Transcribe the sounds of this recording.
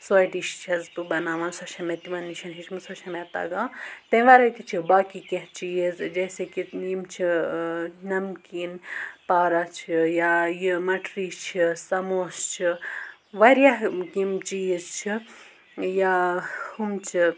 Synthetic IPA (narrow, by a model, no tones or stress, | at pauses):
sojʈiʃt͡ʃʰɐzt̪ubɐnaːʋãnsoʃʰɐmet̪imɐnːiʃɐnɦit͡ʃʰmɨsot͡ʃʰɐmet̪ɐ̰ɡãːt̪ɐ̃ʋaːɾɐt̪it͡ʃʰibaːkikẽɦt͡ʃijizd͡ʒɐːsekijimt͡ʃʰi | nɐmkiːnpaːɾat͡ʃʰijajimɐʈʰɾiːt͡ʃʰisɐmoːst͡ʃʰi | ʋɐɾjaɦkimt͡ʃiːizt͡ʃʰi | jahumt͡ʃʰi